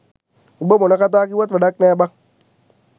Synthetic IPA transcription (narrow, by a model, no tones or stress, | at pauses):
bomonakat̬akiwat̬adakneba